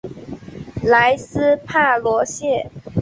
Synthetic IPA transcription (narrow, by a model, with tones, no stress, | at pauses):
la˧˥ɪsɹ̩˥pʰa˥˩lwɔ˧˥ɕjɛ˥˩